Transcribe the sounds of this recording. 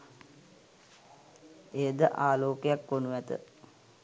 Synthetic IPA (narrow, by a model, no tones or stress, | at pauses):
ejəd̪əʔaːloːkejakʋonuʋæt̪ə̰